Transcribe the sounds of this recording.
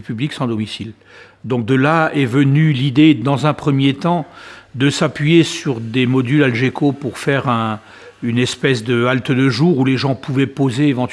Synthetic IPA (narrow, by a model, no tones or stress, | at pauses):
pybliksɑ̃d̪ɔmisil | d̪ɔ̃k̚d̪əlaɛvənylid̪ed̪ɑ̃zɛ̃pχəmjet̪ɑ̃d̪əsapɥijesyʁd̪emɔd̪ylalʒekʰopuʁfɛʁɛ̃ | ynɛspɛsd̪əalt̪d̪əʒuːʁuleʒɑ̃puvɛpozeːvɑ̃t̪